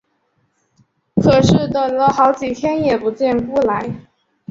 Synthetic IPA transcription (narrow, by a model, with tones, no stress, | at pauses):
kʰɤ˨˩ʂɻ̩˥˩d̪ə˩lə˧xɑ˧˥ʊt͡ɕi˨˩t̪ʰjɛ˥njɛ˨˩pu˧˥t͡ɕjɛ˥˩nku˥˩la˧˥ɪ